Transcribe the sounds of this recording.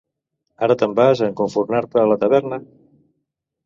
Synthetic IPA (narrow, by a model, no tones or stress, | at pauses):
aɾət̪əmbazəŋkuɱfuɾnaɾt̪əːlət̪əβ̞ɛɾnə